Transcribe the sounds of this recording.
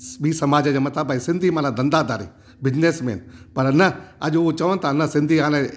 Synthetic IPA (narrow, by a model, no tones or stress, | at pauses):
biːsəmaːd͡ʒaːd͡ʒamɐt̪aːbaːisɪ̃nd̪iːmãːlãːd̪ə̃nd̪aːd̪aːɾḭː | bɪd͡ʒneːsmḛːnpɐɾnəɐd͡ʒot͡ʃəʋə̃nt̪anəsɪ̃nd̪iːaːlẽ